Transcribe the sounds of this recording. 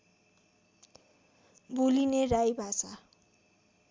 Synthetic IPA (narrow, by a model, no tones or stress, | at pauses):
bulinerajbʱasa